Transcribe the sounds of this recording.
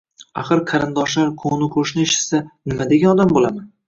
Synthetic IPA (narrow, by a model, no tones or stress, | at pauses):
aχɨɾqʰɑɾɪnd̪ɒʃlaɾkʰoŋnɪkʰoʃnɪɪʃɪ̥sanɪmad̪eɡʲanɒd̪ambolama